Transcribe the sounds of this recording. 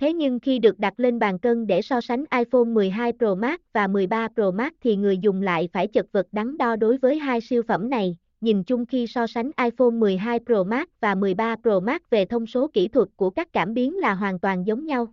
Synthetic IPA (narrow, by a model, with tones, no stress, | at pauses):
t̪ʰe˨˦ɲɨ˧ŋxi˧ɗɨ˨˩ək̚ɗa˨˩t̚le˧nɓaː˨˩nkə˧nɗe˧˩sɔ˧sa˨˦ŋ̟ʔaː˧jfo˧nmɨ˨˩əjɦaː˧jpɾo˧˩maː˦˥t̚vaː˨˩mɨ˨˩əjɓaː˧pɾo˧˩maː˦˥t̚t̪ʰi˨˩ŋɨ˨˩əjzʊ˨˩ŋ͡mla̰ː˧˨jfaː˧˩jt͡ɕə˨˩t̚və˨˩t̚ɗa˨˦ŋɗɔ˧ɗo˨˦jvəː˨˦jɦaː˧jsi˧əwfə̰˧˩mna˨˩j | ɲi˨˩nt͡ɕʊ˧ŋ͡mxi˧sɔ˧sa˨˦ŋ̟ʔaː˧jfo˧nmɨ˨˩əjɦaː˧jpɾo˧˩maː˦˥t̚vaː˨˩mɨ˨˩əjɓaː˧pɾo˧˩maː˦˥t̚ve˨˩t̪ʰə˧wŋ͡mso˨˦kḭ˧˩t̪ʰwə˨˩t̚kːu˧˩əkaː˦˥k̚ːaː˧˩mɓi˨˦ənlaː˨˩ɦwaː˨˩nt̪waː˨˩nzə˨˦wŋ͡mɲa˧w